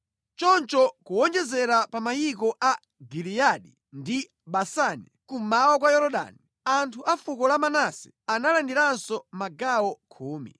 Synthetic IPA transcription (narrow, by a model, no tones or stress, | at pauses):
t͡ʃɔnt͡ʃɔkuwɔnd͡ʒɛzɛɾapamajik̬ɔʔa | ɡilijaɗi | ndi | ɓasanḭkumawɔk̬wajɔɾɔɗa̰ni | antʰuʔafukɔlamanasɛ̥ | analandiɾansɔmaɡawɔkʰuːmḭ